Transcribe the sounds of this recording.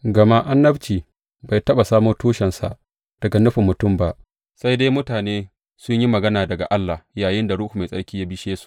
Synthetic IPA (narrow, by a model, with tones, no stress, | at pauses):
ɡɐ˨ma˦ʔa˦nːɐ˦bt͡ʃiː˨ | ba˨jtɐ˦ɓa˨saː˦mʊː˦rtuː˦ʃɛ˨nsa̰˨ʔ | d̥ɐ˨ɡa˨nʊ˦ɸɪ˨mːʊ˨tʊ˦mba˦ʔ | sa˦jdaː˦jmʊ˦taː˨neː˦ | sʊ˦ɲji˦mɐ˨ɡɐ˦naː˨dɐ˨ɡa̰˨ʔa˦lːa˨jaː˨jɪ˦nda˨ɽʊ˦hu˨ma˨sʼɐ̰˦ɽkʲiː˦ja˦bɪ˦ʃeː˦su̥˨ʔ